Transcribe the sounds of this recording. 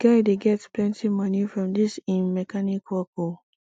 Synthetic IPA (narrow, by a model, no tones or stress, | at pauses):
ɡ̥aɪdeɡɛtsplɛ̃ntʰimanjufɹɔ̃mdɪsɪ̃nmɛkʰanɪkwɔko